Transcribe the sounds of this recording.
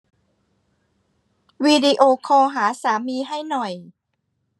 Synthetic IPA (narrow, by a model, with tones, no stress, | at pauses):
wiː˧di˧ʔoː˧kʰɔː˧ɦaː˩˦saː˨˩˦miː˧ɦa˥˩jnɔ˨˩j